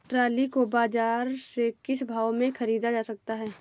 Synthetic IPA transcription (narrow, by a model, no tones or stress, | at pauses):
ʈɾaːlikobaːd͡ʒaːɾsekɪsbʱaːwmẽxʰɐɾiːd̪ad͡ʒaːsɐk̚t̪aɦɛː